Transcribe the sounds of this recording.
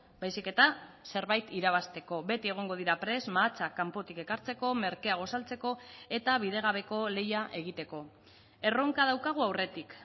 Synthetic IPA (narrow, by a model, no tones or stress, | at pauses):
bajsike̞t̪ase̞ɾβajt̪iɾaβ̞ast̪e̞ko̞βe̞t̪ie̞ɣ̞o̞ŋɡo̞ð̞iɾapɾe̞zmaːt͡sakampo̞t̪ike̞kaɾt͡se̞ko̞me̞ɾke̞aɣ̞o̞salt͡se̞ko̞e̞t̪aβ̞iðe̞ɣ̞aβ̞e̞ko̞le̞jaʔe̞ɣ̞it̪e̞ko̞ | e̞roŋkað̞awkaɣ̞uawre̞t̪ik